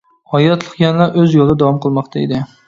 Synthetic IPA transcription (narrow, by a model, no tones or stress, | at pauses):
hɒjɑt̪lˠɨqjɑnlˠaɾʔøzjolˠd̪ɛd̪ɑwɑmqəlˠmɑqt̪ʰaed̪ɪ